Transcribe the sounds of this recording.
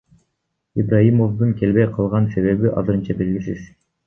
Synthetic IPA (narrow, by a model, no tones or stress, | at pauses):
ibrajimovd̪ɯŋkʰe̞lbejqʰɑlˠʁɑnse̞βe̞βiʔɑ̰zɯɾɯnt͡ʃɑbelɡʲisiz̥